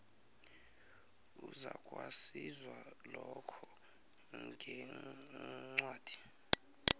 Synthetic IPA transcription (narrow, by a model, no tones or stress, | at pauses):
uzakʼwasizwalɔkʰɔ | ŋɡʱɛ | ŋ͡ǀwaːd̥ʱi̥